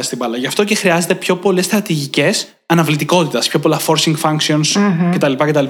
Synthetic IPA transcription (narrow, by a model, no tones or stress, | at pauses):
st̪ibɐlɐʝɐft̪o̞ce̞xɾiɐze̞t̪e̞pço̞po̞le̞st̪ɾɐt̪iʝice̞s | ɐnɐvlit̪iko̞t̪it̪ɐspço̞p̬o̞lɐfo̞ɾsiŋɡfɐŋksio̞nsce̞t̪ɐlipɐce̞t̪ɐli